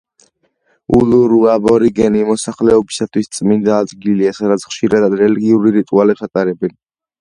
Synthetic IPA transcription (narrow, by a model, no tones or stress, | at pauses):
uluɾuabɔɾiɡɛnimɔsaχlɛɔbisat̪ʰwist̪sʼmind̪aːd̪ɡiliasad̪at̪sʰχʃiɾad̪ad̪ɾɛliɡiuɾiɾit̪ʼualɛpsat̪ʼaɾɛbɛn